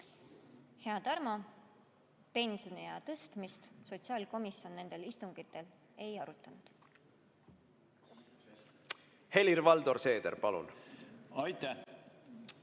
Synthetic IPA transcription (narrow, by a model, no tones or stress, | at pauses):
he̞ɑt̪ɑrmɑ | pe̞nsonijɑt̪ɤst̪mist̪so̞t̪siɑːlko̞misio̞nːe̞nd̪̥e̞list̪uŋɡ̥it̪ːˑe̞l | e̞jɑɾut̪ˑːɑnud̪̥ | he̞liɾvɑld̪̥o̞ɾse̞ːd̪̥ḛɾpɑlṵnɑjt̪ːæ